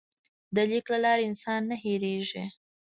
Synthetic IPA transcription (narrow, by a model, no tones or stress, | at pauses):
d̪əliklalɑɾeɪnsɑnːaheɾeʒi